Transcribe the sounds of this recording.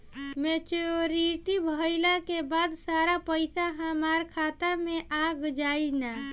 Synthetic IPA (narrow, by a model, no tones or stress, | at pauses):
met͡ʃoɾiʈibʱəɪlakebad̪saːɾapəɪsaɦəmaɾkʰat̪amẽʔaɡd͡ʒaina